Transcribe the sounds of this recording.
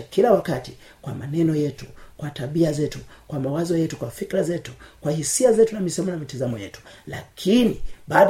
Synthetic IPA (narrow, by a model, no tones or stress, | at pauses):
kilawakatikwa̰manɛnɔjɛtu̥kwataɓiazɛtukwamawazɔjɛtukwafikɾazɛtu̥kwahisiazɛtunamisɔmɔnamitizamɔjɛtu̥la̰kʰiniɓaːɗ